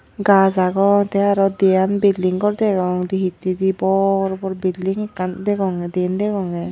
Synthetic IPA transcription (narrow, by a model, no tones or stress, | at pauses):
ɡazaɡɔŋt̪ɛaɾɔd̪ɛjanbildiŋkɔɾd̪ɛɡɔŋd̪iɦit̪ːid̪ibɔɾbɔɾbildiŋɛkːand̪ɛɡɔŋɛd̪end̪ɛkɔŋɛ